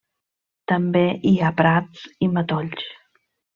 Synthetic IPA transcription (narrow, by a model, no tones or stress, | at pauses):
t̪ambeʔiapɾat̪t͡simat̪oʎt͡ʃ